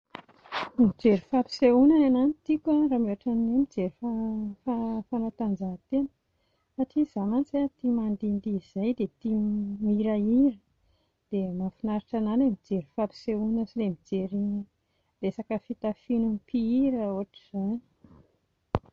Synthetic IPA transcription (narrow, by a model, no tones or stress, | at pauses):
mid͡ʒeɾifapi̥seunanananit̪ikʲarameaʈ͡ʂanemid͡zeɾifafafanat̪and͡ʒat̪enə̥ | faʈ͡ʂiz̥amant͡siat̪imand̪ind̪iz̥ajd̪et̪imiɾaiɾi | d̪̥emafinaɾiʈ͡ʂananemid͡ʒeɾifapi̥seunasilemid͡ʒeɾi | d̪esakəfit̪afinumpiiɾaoɦaʈ͡ʂi̥z̥ani̥